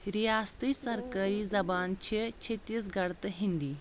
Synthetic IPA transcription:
ɾijaːst̪ɾisɐɾkaɾiːzɐbaːnt͡ɕʰit͡ɕʰet̪iːs̬ɡɐɽt̪ɦĩnd̪iː

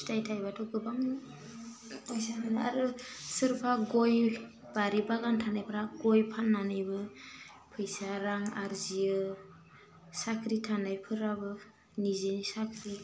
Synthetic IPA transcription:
stajtʰajbatʰɔɡɯbaŋ | saanaa̰ɾɯsɯɾpʰaɡoj | baɾibaɡantʰanajpʰɯɾaɡɔjpʰanːanɯjbɯ | pʰɯjsaɾaŋaɾziɯ | sakʰɾitʰanajpʰɯɾabɯ | nizenisakʰɾi

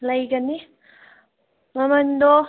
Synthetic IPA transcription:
lɐjɡɐni | mɐmɐnd̪o

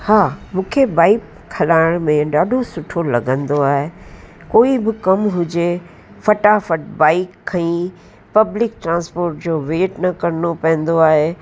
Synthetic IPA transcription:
haːmũːkʰebaːɪk | kʰːɐlaːɪɽ̃mẽɗaːɗʱosʊʈʰolɐɡə̃nd̪oaːɦekoːibɪkɐmɦʊd͡ʑe | fɐʈafɐʈ̚baːɪkʰːɐ̃ĩ | pɐblɪkʈɾãːnspoːɾʈ̚d͡ʑoːʋeːʈnɐkɐɾnopɐ̃ɦə̃nd̪oaːɦeː

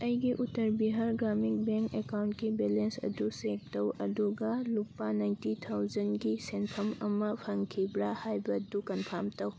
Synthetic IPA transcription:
ɐjɡiʔutːɐɾbiɦaɾɡɾamik̚beŋkekawntkibelensɐ̰dusek̚tɐwɐduɡalupːanajntit̪ʰawzɐnɡisenpʰɐmɐmɐpʰɐŋkʰibɾahajbɐdukɐnpʰamtɐw

